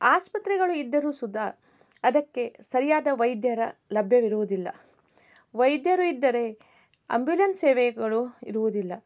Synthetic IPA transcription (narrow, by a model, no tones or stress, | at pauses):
aːspɐt̪ɾɛɡɐɭuid̪ːɐɾuːsud̪ɐ | ɐd̪ɐkːe̞sɐɾijaːd̪ɐʋɐjd̪jɐɾɐlɐbʱjɐʋiɾuʋud̪ilːɐ̰ | ʋɐjd̪jɐɾuid̪ːɐɾe̞ | ɐ̰mbjulɐnseːʋɛɐɡɐɭuḭɾuʋud̪ilːɐ